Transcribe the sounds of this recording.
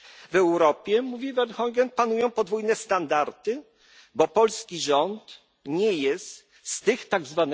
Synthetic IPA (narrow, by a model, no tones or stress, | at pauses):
vɛwɾɔpʲjɛmuvʲivɛnxɔŋɡɛnpanujɔ̃w̃pɔd̪vujnɛst̪and̪aɾt̪ɘ | bɔpɔlskʲiʐɔnt̪ | ɲɛjɛst̪ | st̪ɘxt̪aɡzvan